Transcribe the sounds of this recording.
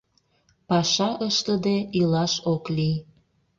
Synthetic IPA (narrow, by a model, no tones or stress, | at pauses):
pɑʃɑʔəʃt̪əd̪eilɑʃoklij